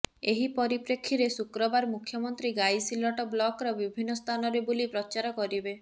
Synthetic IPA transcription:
eɦipɔɾipɾekʰːiɾesukɾɔbaɾmukʰːjɔmɔnt̪ɾiɡajsilɔʈɔblɔkɾɔbibʱinːɔst̪ʰanɔɾebulipɾɔt͡ʃaɾɔkɔɾibe

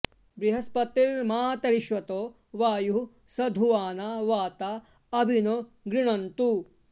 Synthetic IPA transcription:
bɾiɦɐspɐt̪iɾmaːt̪ɐɾiʃʋɐt̪oː | ʋaːju | sɐd̪ʱuʋaːnɐʋaːt̪ɐ | ɐbʱino | ɡɾiɳɐnt̪u

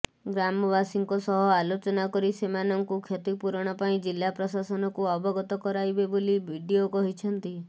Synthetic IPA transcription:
ɡɾamɔbasiŋkɔsɔɦɔalot͡ʃɔnakɔɾisemanɔŋkukʰjet̪ipuɾɔɽ̃ɔpaĩd͡ʒilːapɾɔsasɔnɔkuɔbɔɡɔt̪ɔkɔɾajbebolibʱiɖiokɔɦit͡ʃʰɔnt̪i

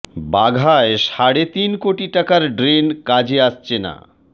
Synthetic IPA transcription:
baɡʱaeʃaɽet̪inkoʈiʈakaɾɖɾenkad͡ʑeaʃt͡ɕʰena̰

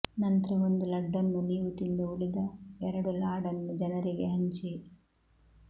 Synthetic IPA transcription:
nɐnt̪ɾɐʋond̪ulɐɖːɐnːuniːʋut̪ind̪uuɭid̪ɐɛɾɐɽulaːɽɐnːud͡ʒɐnɐɾiɡeɦɐɲt͡ʃi

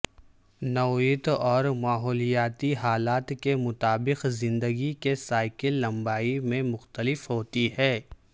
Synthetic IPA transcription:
nɔːit̪ɔːɾmaːɦɔːlijaːt̪iɦaːlaːt̪kemʊt̪aːbɪqzɪ̃nd̪əɡikesaːɪkəlːɐ̃mbaːimẽmʊxt̪əlɪfɦoːt̪iɦɛː

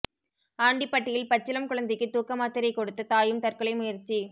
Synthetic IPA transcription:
aːɳɖipːɐʈːɪjɪlpɐt͡ʃːɪlɐmkʊɭɐnd̪ɪkːɯt̪uːkɐmaːt̪ːɪɾɐɪkːɔɽɯt̪ːɐt̪aːjɯmt̪ɐrkɐɭɐɪmʊjɐɾt͡ʃːi

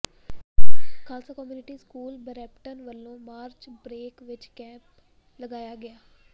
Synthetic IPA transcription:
kʰaːsaːkɔmjuːnɪʈiːskuːlbəɾɛːpʈənʋəlːõːmaːɾt͡ʃbɾeːkʋɪt͡ʃkɛ̃ːmp | ləɡaːjaːɡɪjaː

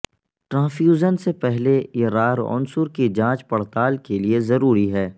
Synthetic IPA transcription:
ʈɾãːfjuːzənsepɛɦleɾaːɾɔ̰ːnsʊɾkid͡ʒãːt͡ʃpɐɽ̤t̪aːlkeliezɐɾuːɾiɦɛː

